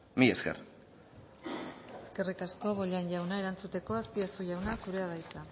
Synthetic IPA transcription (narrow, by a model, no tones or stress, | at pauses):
mieskḛr | e̞ske̞rikasko̞βoʎanʎawnae̞ɾant͡sut̪e̞ko̞aspiasuʝawnasuɾe̞aðajt͡s̪a